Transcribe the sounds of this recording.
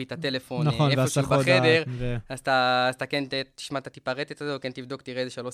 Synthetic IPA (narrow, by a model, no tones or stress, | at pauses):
it̪at̪elefo̞nonevfosubaχedeʁazt̪aːzt̪akentet̪i̥ʃmat̪at̪ipaʁet̪et̪azekent̪ivd̪o̞kt̪iʁezeʃalo